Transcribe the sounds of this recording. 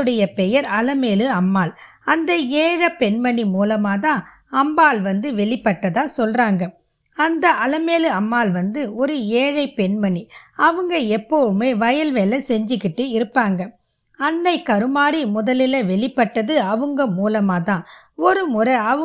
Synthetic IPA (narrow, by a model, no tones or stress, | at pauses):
ɯɽɐjɐpɛjɐɾɐlɐmeːlɯɐmːaːl | ɐnd̪ɐeːɻɐpːɛɳmɐnimuːlɐmaːt̪ãː | ɐmbaːlʋɐnd̪ɯʋɛɭɪpːɐʈːɐðaːsɔlraːŋɡɐ | ɐnd̪ɐʔɐlɐmeːlɯɐmːaːlʋɐnd̪ɯɔɾɯeːɻɐɪpɛɳmɐniɐʋɯŋɡɐɛpːɔʋɯmeːʋɐjɐlʋeːlɐsɛɲd͡ʒɯkːɪʈːɯɪɾɯpːaːŋɡɐ | ɐnːɐɪkɐɾɯmaːɾimʊðɐlɪlɐʋɛɭɪpːɐʈːɐðɯɐʋɯŋɡɐmuːlɐmaːt̪ãː | ɔɾɯmʊɾɐɐɯ